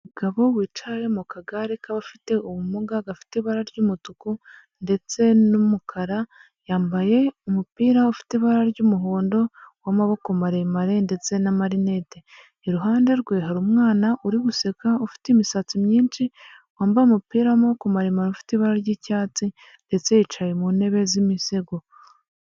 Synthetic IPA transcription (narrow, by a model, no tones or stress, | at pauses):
muɡaβo̞wiːt͡ʃajemukʰaɡaɾikaβafi̥te̞uβumuɡaɡafi̥teiβaɾaɾɟuːmutuku | nde̞t͡se̞numukʰaɾa | jaːmbaje̞umupiːɾaufi̥teβaɾaɾɟumuɦoːndo̞wamaβo̞komaɾemaɾe̞nde̞t͡se̞namaɾine̞te̞ | iɾuɦaːnde̞ɾɡweːɦaɾumŋaːnaʔuɾiβuse̞kaufi̥timisat͡simɲiːnt͡ʃi | waːmbajumupiːɾawamaβokumaɾemaɾufi̥tiβaɾaɾɟiːcaːt͡si | nde̞t͡se̞jit͡ʃajemune̞βe̞zimise̞ɡo